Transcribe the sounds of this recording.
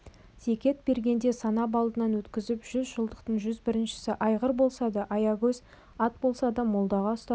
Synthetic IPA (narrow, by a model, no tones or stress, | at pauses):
se̞kʲe̞t̪̚b̥e̞ɾɡʲe̞nd̪e̞sɑnɑbɑlˠd̪ənɑnwɵt̪kʲɪzɪpʒ̥ʏzʒəlˠd̪əqt̪əɴʒʏzbɪɾɪnʃɪ̥sɪʔɑjʁəɾbo̞lˠsɑd̪ɑʔɑjɑɡʲɵz | ɑt̪̚bolˠsɑd̪ɑmo̞lˠd̪ɑʁɑst̪ɑ